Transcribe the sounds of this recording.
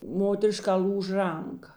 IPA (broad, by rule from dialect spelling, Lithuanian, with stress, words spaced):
ˈmoːtʲɛrʲɪˌʃkɑː ˈlʲuːʃ ˈrɐŋˌkɐ